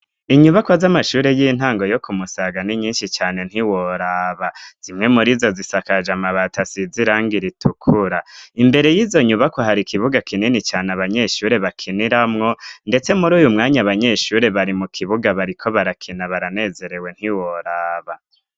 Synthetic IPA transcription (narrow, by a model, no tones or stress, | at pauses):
iɲuβakwazamaʃuːɾe̞jiːn̥aːŋɡo̞jo̞kumusaɡaniɲiːnʃit͡ʃaːne̞n̥iwo̞ɾaβaz̥imŋe̞muɾizozisakad͡ʒamaβatasiziɾaːŋɡiɾitʰukʰuɾaimbe̞ɾe̞jiːzo̞ɲuβakwaɦaɾikʰiβuɡakʰininit͡ʃaːnaβaɲe̞ʃuːɾe̞βakʰiniɾamŋo̞nde̞t͡se̞muɾuːjumŋaːɲaβaɲe̞ʃuːɾe̞βaɾimukʰiβuɡaβaɾikʰo̞βaɾakʰinaβaɾane̞ːze̞ɾe̞we̞n̥hiwoɾaːβa